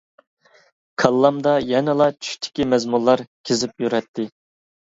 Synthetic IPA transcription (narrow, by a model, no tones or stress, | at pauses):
kʰɑlˠːɑmd̪ɑjɛnɨlˠɑt͡ʃʰy̥ʃʲt̪ʰɪ̥kʲimɛzmulˠːɑɾkʲʰezɪpjyɾɛt̪ʰːɪ